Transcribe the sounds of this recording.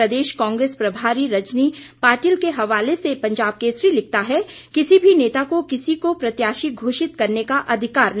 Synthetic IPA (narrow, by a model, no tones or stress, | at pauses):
ɐd̪eːʃkãːŋɡɾeːspɾɐbʱaːɾiɾɐt͡ʃnipaːɾʈiːlkeɦɐʋaːlesepɐ̃ɲd͡ʒaːb̚keʃɾilɪk̚t̪aɦɛkɪsibʱineːt̪akokɪsikopɾɐt̪jaːʃiɡʱoːʃɪt̪kɐɾnekaʔɐd̪ʱɪkaːɾn